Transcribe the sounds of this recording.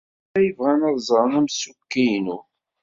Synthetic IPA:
æjəvʁænəðˤzˤɾˤənæmsukːijnu

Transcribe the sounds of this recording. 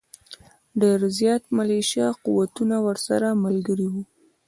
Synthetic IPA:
ɖeɾzjɑt̪maleʃjaquwat̪unawəɾsaɾamalɡəɾiwu

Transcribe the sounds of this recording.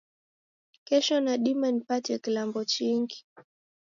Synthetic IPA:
kɛʃɔnaɗimanipatiakilambɔt͡ʃiŋɡi

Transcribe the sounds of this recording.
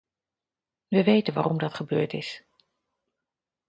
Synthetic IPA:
ʋəʋejtənʋa̰ːrɔmdɑtχəbøːɹtɪs

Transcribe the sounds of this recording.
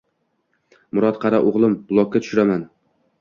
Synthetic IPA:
mʊɾɒt̪̚qʰɑɾaʔoʁlˠɪmb̥ʊlˠɒk̚ʲːat̪ʰʊ̥ʃʊɾaman

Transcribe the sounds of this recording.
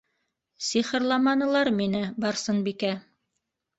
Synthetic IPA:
siχɤ̆ɾlˠɑmɑnɤ̆lˠɑɾminɘbɑɾsɤnbikæ

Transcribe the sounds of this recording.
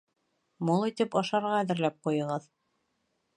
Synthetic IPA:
mulˠit̪ɘpɑʃɑɾʁɑðɘ̆ɾlæp̚qujɤ̆ʁɤð

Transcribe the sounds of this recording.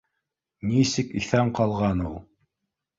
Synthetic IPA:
nisɘkiθæmqɑlˠʁɑnulˠ

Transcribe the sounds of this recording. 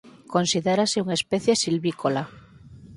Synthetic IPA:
ko̞nsiðeɾaseuŋaespeθjesilβikola

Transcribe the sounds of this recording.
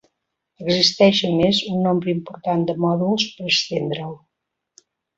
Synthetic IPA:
əɡzist̪ɛʃəmezunːombɾəimpuɾt̪and̪əmɔðulˠspəɾəkst̪end̪ɾəw

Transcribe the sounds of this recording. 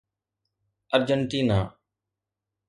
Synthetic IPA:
əɾd͡ʒəɳʈiːnaː

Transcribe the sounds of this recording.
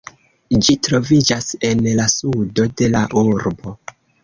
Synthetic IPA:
d͡ʒitɾo̞vid͡ʒase̞nlasudo̞de̞laʔuɾbo̞

